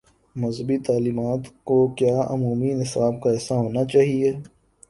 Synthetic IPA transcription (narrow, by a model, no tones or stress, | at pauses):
mɐzɦəbit̪aːliːmaːt̪kokjaːʔʊ̰muːminɪsaːb̚kaɛːsaɦoːnat͡ʃaːɦieː